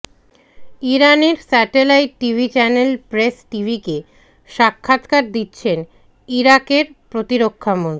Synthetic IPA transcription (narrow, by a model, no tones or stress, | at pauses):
iɾaneɾsɛʈelajʈːibʱit͡ɕɛnelpɾesʈibʱike | ʃakʰːat̪kaɾd̪itːɕʰen | iɾakeɾpɾot̪iɾokʰːamont̪